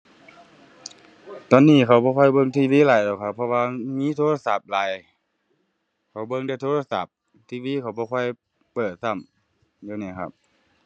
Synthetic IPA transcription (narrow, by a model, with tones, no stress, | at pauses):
t̪ɔː˧˨nːiː˧˥˨kʰa˧˩wbɔː˧kʰɔ˧˩jbɤ˧˨ŋt̪ʰiː˧˩˨wiː˧˥˨laː˨˩jdɔː˧˨˩wkʰa˧˩pʰːɔ˧waː˧miː˧˥˨t̪ʰoː˧la˧sa˧˩p̚laː˨˩j | kʰa˧˩wbɤ˧˨ŋda˧˩jt̪ʰoː˧laː˧˩sa˧˩p̚ | t̪ʰiː˧˨wiː˧˥˨kʰa˧˩wbɔː˧kʰɔ˧˩˨j | pɤː˨˩t̪̚sa˧˥˩m | jaː˧˦naː˧˩˨kʰa̰˧˩p̚